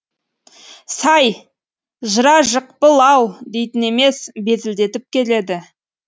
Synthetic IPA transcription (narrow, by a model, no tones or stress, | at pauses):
sɑj | ʒəɾɑʒəq̚pəlˠɑwd̪e̞jt̪ɪne̞me̞sbe̞zɪld̪e̞t̪ɪp̚kʲʰe̞le̞d̪ɪ